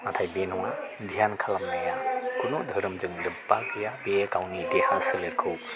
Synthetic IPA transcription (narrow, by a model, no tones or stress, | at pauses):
natʰajbenɔŋadʱijankʰalamnajakunodʱəɾɯmzɯŋdɯpːakʰɯjabekawnidehasileɾkʰɯw